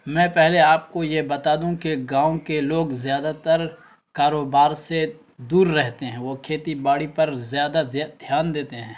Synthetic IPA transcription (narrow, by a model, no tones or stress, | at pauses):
mɛ̃ːpɛɦleaːp̚kojebɐt̪aːd̪ũkeɡãːõkeloːɡzjaːd̪at̪ɐɾ | kaːɾoːbaːɾse | d̪uːɾːɛɦt̪eɦɛ̃ʋokʰeːt̪ibaːɽipɐɾzjaːd̪azd̪ʱjaːnd̪eːt̪eɦɛ̃ː